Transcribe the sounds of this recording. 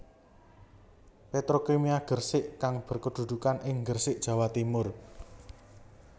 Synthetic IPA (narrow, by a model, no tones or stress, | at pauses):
pet̪ɾokemiaɡ̥ərsɪʔkaŋb̥ə̤rkəd̪̥ṳd̪̥ṳkanɪŋɡərsɪʔ̚d̥ʒ̥ä̤wat̪imʊr